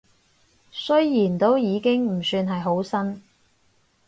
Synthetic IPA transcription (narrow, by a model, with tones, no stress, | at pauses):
sɵ˥ɥjiː˨˩nt̪o˥wjiː˨˧kɪ˥ŋm̩˨˩syː˧nɦɐ˨jɦo˨˥wsɐ˥n